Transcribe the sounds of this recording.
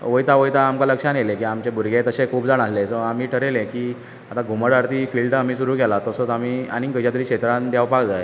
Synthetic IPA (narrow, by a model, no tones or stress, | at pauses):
ʋəjt̪aʋəjt̪aːmkaləkʂanelekiːamt͡ɕebʱuɾɡẽt̪əɕẽkʰuːb̚d͡zaɳ̃aslesəamiːʈʰəɾelekiː | at̪ãɡʱuməɽaɾt̪iːfiːlɖamiːsuɾuːkɛlat̪əsət͡sam̤iːaniŋɡəd͡ʑat̪əɾiːkɕet̪ɾãnd̪jaʋpakd͡zae